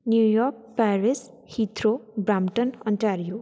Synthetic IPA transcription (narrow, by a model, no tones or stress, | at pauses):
njujɔk̚paɾis | hit̪ɾobɾamʈʌnʌnʈaɾijo